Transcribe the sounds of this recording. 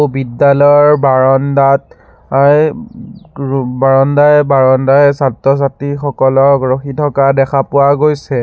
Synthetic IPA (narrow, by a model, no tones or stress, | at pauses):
bidːalɔjɔɹbaɹɔndat | a | baɹɔndajbaɹɔndajsatɔs̬atixɔkɔlɔɹɡɹoxitʰɔkadɛkʰapʊwaɡojsɛ